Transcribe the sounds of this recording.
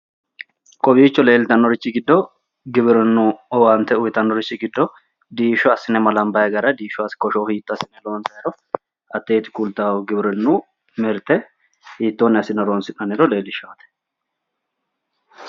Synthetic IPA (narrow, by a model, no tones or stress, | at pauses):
kʼɔbiːt͡ʃːɔle̞ːlt̪ɐnːɔɾɪt͡ʃːɪɡɪd̪ːɔ | ɡɪbɪɾɪnːuɔwaːmt̪ɛʊjt̪ɐnːɔɾɪt͡ʃːɪɡɪd̪ːɔ | d̪iːʃɔɐsɪnɛmɐlɐmbɐjɛɡɐɾɐd̪iːʃɔɐskɔʃoːhiːt̪ːɔɐsɪnɛlo̞ːnsɐjɛɾɔ | ɐt̪ːe̞ːt̪ɪ̥kult̪aːwɡɪbɪɾɪnːu | mɪɾt̪ɛ | hiːt̪ːoːnːɛɐsɪnɛɾo̞ːnsɪnɐnɪɾɔle̞ːlɪʃaːt̪ɛ̥